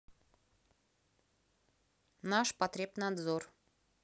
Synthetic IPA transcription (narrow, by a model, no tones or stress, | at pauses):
naʃpɐt̪ɾʲepnɑd̪zor